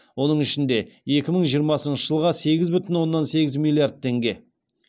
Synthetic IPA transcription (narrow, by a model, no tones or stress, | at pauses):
wo̞nəɴɪʃɪnd̪e̞e̞kʲɪməɴʒijəɾmɑsənʃəʒ̥əlˠʁɑse̞ɡʲɪzbʏt̪ɪnwo̞nːɑnse̞ɡʲɪzmʲilʲˠijard̪̚t̪ʰːe̞ŋɡʲe̞